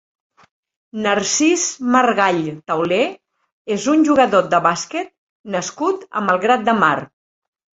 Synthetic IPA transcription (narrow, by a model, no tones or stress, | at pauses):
nəɾsizmərɣaʎt̪əwle | ezunʲʒuɣəðod̪əβasket̪̚ | nəskut̪ə̰məlˠɣɾat̪̚d̪əmar